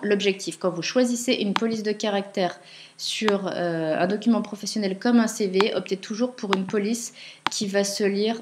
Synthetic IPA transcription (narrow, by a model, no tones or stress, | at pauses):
lɔbʒɛk̚t̪ʰifkɑ̃vuʃwaziseʔynpɔlis̬d̪əkaʁak̚t̪ɛːʁ | syʁøɛ̰̃d̪ɔkʲymɑ̃pχɔfɛsjɔnɛlkɔmɛ̃seveʔɔp̚t̪et̪ʰuʒuʁpʰuʁynpɔliskʲivasəliʁ